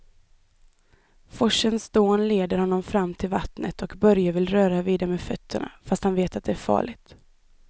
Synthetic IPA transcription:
fɔʂənsd̪̥oːnleːd̪əɾhɔnːɔmfɾamːt̪ʰɪlvat̪nə̰t̪ʰɔkbœɾjavɪlɾœːɾaviːd̪aɾmeːd̪fœt̪ʰːəɳa̰fast̪hanveːt̪at̪̚d̪ɛæɾfɑ̰ːɭɪt̪

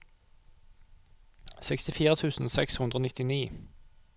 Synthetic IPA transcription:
sɛkst̪ɪfiːʁət̪ʰʉːsn̩sɛkshʉnd̪ʁoːnɪt̪ɪniː

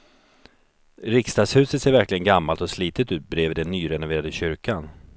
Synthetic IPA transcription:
ɾɪkst̪ɑːɡ̪shʉ̟ːsət̪seːɾvæɾklɪɡənɡamːalt̪ɔsliːt̪ət̪ʉ̟ːt̪̚bɾeːvɪd̪ɛnːyːɾɛnʊveːɾad̪əɕʏɾkʰan

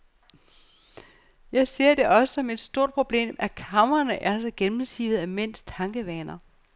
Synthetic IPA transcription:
jɑ̈ɪse̝ɐ̰d̥e̝ʔɒ̽səsɒ̽me̝d̥sd̥o̝ɐ̰d̥̚pʰʁo̝b̥le̝̰ːmʔækʰɑ̈mɐnəʔæɐsɒ̽ɡ̥enm̩sḭːð̩ˠæmen̰st͡sʰɑ̈ŋɡ̥əʋɛːnɐ

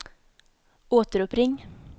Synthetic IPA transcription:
oːt̪əɾʊpɾɪŋ

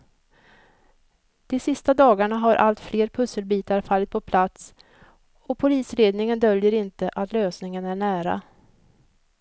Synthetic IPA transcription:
d̪̥ɛsɪst̪ad̪ɑːɡaɳaɦaɾʔa̰lt̪fleːɾpʰɵsːəlbiːt̪aɾfalːɪt̪̚pʰɔpʰlat̪s | ɔpʰʊliːsɾeːd̪nɪŋənd̪œljəɾɪnt̪əʔat̪løːsnɪŋənæɳæːɾa̰

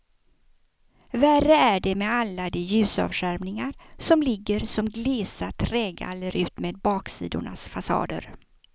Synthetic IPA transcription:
værəæɖɛmɛalːad̪eːjʉ̟ːsɑ̰ːvʂæɾmnɪŋaɾsɔmlɪɡːəɾsɔmɡlɪːsat̪ʰɾɛːɡa̰ɛlːəɾʔʉ̟ːt̪meːd̪̚bɑːksḭːd̪ʊ̰ɳa̰sfasɑ̰ːd̪ə̰ɾ

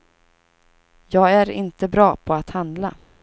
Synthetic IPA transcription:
jɑːɡæɾɪ̰nt̪əbɾɑːpʰɔat̪hand̪la

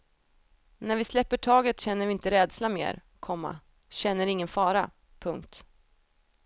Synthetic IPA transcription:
næɾvɪslɛpːəʈʰɑːɡət̪ɕɛnːəɾvɪɪnt̪əɾɛːd̪slamḛːɾ | kʰɔmːa̰ | ɕɛnːəɾɪŋːənfɑːɾa̰ | pʰɵŋkt̪

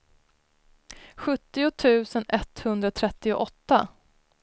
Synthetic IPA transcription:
ɧɵt̪ːɪʊt̪ʰʉ̟ːsənɛt̪ːhɵnd̪ɾat̪ʰɾɛt̪ːɪʊʔɔt̪ːa

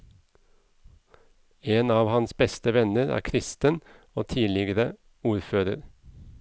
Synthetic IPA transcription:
eːnɑːʋhɑnsbɛst̪əʋɛnəɾæ̰ːkʰɾɪst̪ən | oːt̪ʰiːlɪɡəɾə | uːɾføːɾəɾ

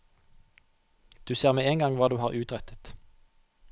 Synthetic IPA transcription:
d̪̥ʉːseːʁmeːeːŋɡɑŋʋɑːd̪ʉːhɑːʁʔʉːt̪ʁɛt̪ʰə̥t̪

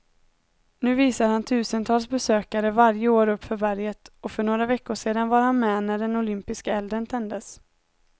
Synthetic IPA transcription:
nʉ̟ːviːsad̪əhant̪ʰʉ̟ːsənt̪ʰɑːlsbɛsøːkaɾəvaɾjəoːɾɵpːfœɾbæɾjət̪ɔfœɳoːɾavɛkːʊʂeːd̪anvaɾhanmɛnæɖɛnʊlʏmpɪskaɛld̪ɾənt̪ʰɛnd̪əs

